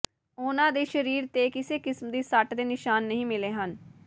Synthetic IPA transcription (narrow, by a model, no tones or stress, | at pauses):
oːnãːd̪eːʃəɾiːɾt̪eːkɪseːkɪsmd̪iːsəʈd̪eːnɪʃaːnːəɦĩːmɪleːɦən